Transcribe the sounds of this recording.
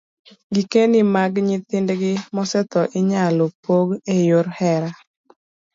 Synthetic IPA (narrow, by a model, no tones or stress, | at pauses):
ɡikenimaɡɲɪt̪ɪndɡɪmɔsɛt̪ɔʔɪɲalopoɡejʊɾhɛɾa